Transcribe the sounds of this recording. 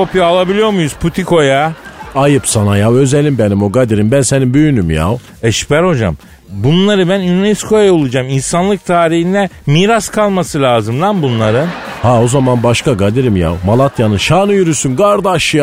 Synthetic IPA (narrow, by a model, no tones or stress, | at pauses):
o̞pjaːlˠabilʲijo̞ɾmujuz̥pʰut̪ʰikʰo̞jaajɯpsanajawø̞zɛlʲimbenimo̞ɡad̪iɾimbænsenimbyjynymja̰w | ɛʃy̥pʰæɾo̞d͡ʒa̰m | bunnlːˠaɾɯbænynnɛskʰo̞jajaolˠud͡ʒaminsanlˠɯk̚t̪ʰaːɾihind̪ɛmiːɾaskʰalˠmasɯlʲaːzɯmd̪anbunlˠaɾɯ | hao̞zamanbaʃkaɡad̪iɾimja̰wmalˠat̪ʰjanɯnʃaːnɯjyɾysynɡaɾd̪aʃɯja